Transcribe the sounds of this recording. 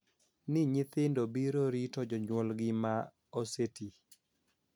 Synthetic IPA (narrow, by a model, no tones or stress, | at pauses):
nɪɲɪt̪ɪndobiɾoɾitɔd͡ʒɔɲwɔlɡɪma | oseti